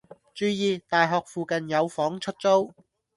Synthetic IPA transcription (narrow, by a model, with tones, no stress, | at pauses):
t͡ʃyː˨˧jiː˨˧t̪aː˨jɦɔː˨k̚fuː˨kɐ˨njɐ˨˧wfɔː˨˥ŋt͡ʃʰɵ˥t̚t͡so˥w